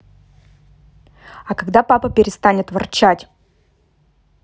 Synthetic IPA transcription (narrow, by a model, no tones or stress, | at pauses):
ɐkɐɡd̪apapəpʲɪɾʲɪst̪anʲɪt̪vɐrt͡ɕatʲ